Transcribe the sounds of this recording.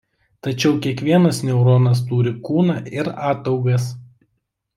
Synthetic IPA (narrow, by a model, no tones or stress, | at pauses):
t̪ɐt͡ʃʲɛʊkʲiɛkʋʲiɛnɐsnʲɛʊɾoːnɐs̬t̪uːɾʲɪkuːnɑːʔɪɾɑːt̪ɐʊɡɐs